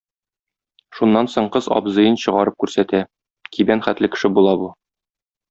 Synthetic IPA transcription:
ʃunːɑnsŏɴqɤzɒ̰bzɤ̆jɤnɕɤ̆ʁɑɾɤp̚kʉɾsæt̪æ | kibænχæt̪lɘkɘ̆ʃɘbulˠɑbu

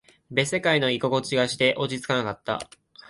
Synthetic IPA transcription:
be̞se̞kaino̞iko̞ɡo̞t͡ɕiɡaɕi̥t̪e̞ʔo̞t͡ɕit͡sɨ̥kanakat̪ːa̰

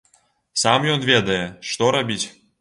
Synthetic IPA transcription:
sɑmjonvʲed̪ɐjeʂt̪oɾabʲitʲ

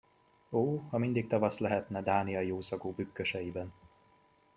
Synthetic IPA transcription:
oːhɒmind̪ik̚t̪ɒvɒslɛɦɛt̪nɛd̪aːnijɒjijoːsɒɡoːbykːø̞ʃɛjibɛn

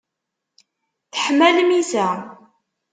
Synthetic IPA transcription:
θəħmːæləmizæ

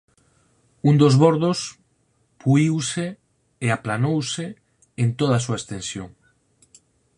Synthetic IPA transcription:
und̪ozβoɾðʊs | pʰuiwsɪ | eaplanowsɪ | ent̪oð̞asuaest̪ensjoŋ

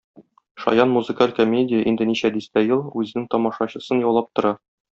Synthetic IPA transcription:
ʃɒ̰jɑnmuzɨkalʲkomʲedʲɪjəʔind̪ɘ̆niɕæd̪ist̪æjɤlˠʉzɘ̆nɘŋt̪ɒmɑʃɑɕɤ̆sɤnjɒwlˠɑp̚t̪ŏɾɑ

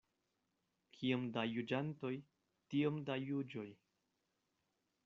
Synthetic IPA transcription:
kʰiomdajud͡ʒanto̞j | tio̞mdajud͡ʒo̞j

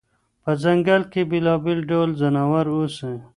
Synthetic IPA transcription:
pɐzɐŋɡɐlkibilaːbilɖoːlzɐnaːwɐɾuːsẽː

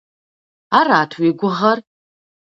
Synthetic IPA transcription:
araːtʰwiɡʷʊʁar

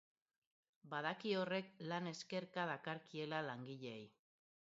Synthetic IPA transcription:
bað̞akio̞re̞klane̞ske̞ɾkað̞akaɾkie̞lalaŋɡiʎe̞ːj

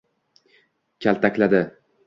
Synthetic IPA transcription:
kʲʰalt̪ʰakʲlad̪ɪ

